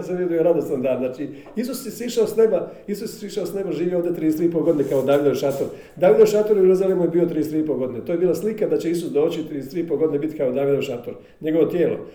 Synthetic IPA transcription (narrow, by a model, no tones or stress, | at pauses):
seʋjed̪ujoɾad̪osand̪aːnzaːt͡ʃi | is̬usːesʋiʃaosne̞baisusse̥sʋiʃaosne̞baʒiːʋioːvd̪e̞t̪ɾiːest̪ɾiip̬olɡo̞d̪inekaod̪aːʋid̪oʋʃat̪oɾ | d̪aːʋid̪oʃat̪oɾuɾozalimujebiːo̞t̪ɾiːest̪ɾiip̬o̞lɡo̞d̪inet̪oːjebiːlˠaslikad̪at͡ɕeisusd̪o̞ːt͡ɕit̪ɾiest̪ɾiːipoɡo̞d̪inebit̪kaod̪aːʋid̪oʋʃat̪oɾ | ɲe̞ɡo̞ʋo̞t̪je̞ːlo̞̰